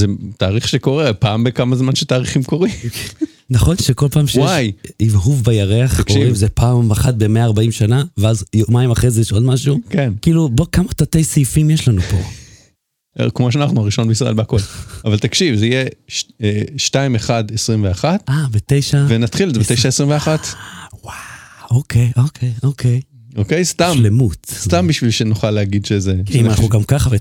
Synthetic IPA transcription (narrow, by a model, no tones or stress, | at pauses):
zet̪aːʁiχʃeko̞ʁepaːmbekamazmanʃet̪aːʁiχimkoʁim | naχo̞nʃeko̞lpaːmʃewajivɦuvbajaʁeaχakoʁiimzepaːmaχat̪̚be̞meaːʁbaimʃanaveazjomaimaχejzejeʃo̞dmaʃukenkiːlubokamatatejsejfimjeʃlanupo̞̰ | kmoʃ̬eanaχnuaʁiʃo̞nbeisʁa̰ʔelbeako̞lavalt̪akʃivzeijeʃeʃtaimeχadesʁimveaχat̪abet̪e̞jʃavenatχilezebetejʃaesʁimveaχatwaokejʔokʰejʔo̞kʰej | okejst̪amʃle̞mut̪stambiʃvilʃenuχalːeaɡidʃezeimanaχnuɡamkaχave